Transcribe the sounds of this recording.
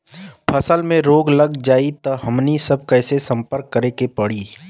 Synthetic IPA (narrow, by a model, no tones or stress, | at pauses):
pʰəsəlmẽɾoːɡləɡd͡ʒaːit̪ɐɦɐmnisɐb̚kɛːsesɐ̃mpəɾkːəɾekepəɽiː